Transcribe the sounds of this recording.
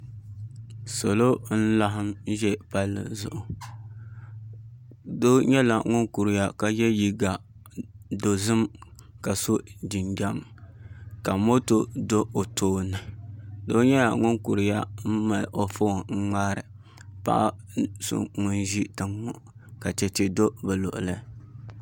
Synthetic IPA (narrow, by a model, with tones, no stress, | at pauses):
so˨lo˦n̩˦la˦ɦɪ˦mʒɛ˦pa˦lːɨ̰˨zʊ̰˦˨ʔʊ˨ | doː˦ɲɛ˦la˨ŋʊ˦nku˨ɾɪ˨ja˦ka˨jɛ˦ji˦ɡa˨ | do˨zɨ˦m | ka˨so˦di˨nɡa˦m | ka˨mo˦to˦do˦o˨tʰoː˦nɨ˨do˦ɲɛ˦la̰˨ŋʊ˦nku˨ɾɪ˨ja˦m̩˦ma˨lʔo˨fo˦˨ŋ͡m̩˦ŋ͡ma˦ɾɨ˨ | pa̰˦ʔa˦ | sʊ̰˦ŋʊ˦nʒi˦tɨ˨ŋːʊ˨ | ka˨t͡ʃɛ˨t͡ʃɛ˨do˦ba˨lo̰˨ʔʊ̰˨lɨ˦